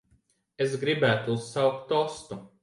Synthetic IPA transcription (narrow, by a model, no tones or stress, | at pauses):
es̬ɡɾibæːt̪uussawk̚t̪ːɔst̪u